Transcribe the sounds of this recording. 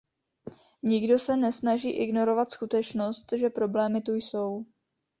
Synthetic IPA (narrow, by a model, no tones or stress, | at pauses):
ɲɪɡdo̞sɛnɛsnaʒiːʔɪɡno̞ɾo̞vat̪skut̪ɛt͡ʃno̞st̪ʒɛpɾo̞blɛːmɪt̪ujso̞w